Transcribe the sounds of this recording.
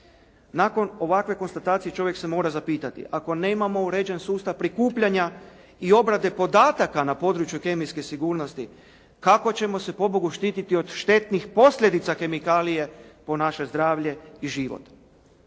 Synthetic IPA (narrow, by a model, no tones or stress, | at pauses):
nako̞no̞ʋakʋe̞ko̞nst̪at̪aːt̪sije̞t͡ʃo̞ʋje̞kse̞mo̞ːɾazapiːt̪at̪ḭʔako̞ne̞ːmamo̞uɾe̞d͡ʑe̞nsuːst̪aʋpɾikuːpʎaɲa | io̞bɾad̪e̞po̞d̪aːt̪akanapo̞d̪ɾut͡ʃjuke̞mijske̞siɡuːɾno̞st̪i | kako̞t͡ɕe̞mo̞se̞po̞boɡuʃt̪iːt̪it̪io̞d̪ʃt̪e̞t̪nixpo̞sʎʲe̞d̪it̪sake̞mikaːlije̞po̞naʃe̞zd̪ɾaːʋʎe̞iʒiʋo̰t̪